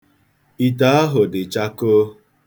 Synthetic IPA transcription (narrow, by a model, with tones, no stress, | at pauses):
i˨ta˦a˦ɦʊ˨dɪ˨t͡ʃa˦ko˦